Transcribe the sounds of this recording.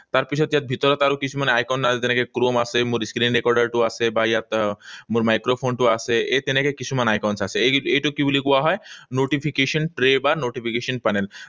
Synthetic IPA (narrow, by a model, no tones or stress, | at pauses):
t̪aɾpit͡ɕʰɔt̪jat̪̚bʱit̪ɔɾɔt̪aɾokit͡ɕʰumaneajkanaed͡ʑenekekɾomasʰemuɾiskɾinɾekɔɾɖaɾʈuasʰebajat̪muɾmajkɾopʰonʈuasʰeet̪enekekit͡ɕʰumanajkawnsat͡ɕʰeeejʈokibolikuaɦɔenoʈipʰikeʃɔnʈɾebaɾnoʈipʰikeʃɔnpanel